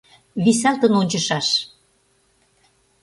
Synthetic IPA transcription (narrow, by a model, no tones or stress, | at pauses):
βisælt̪ɤ̆nonʲt͡ɕɤ̆ʃɑʃ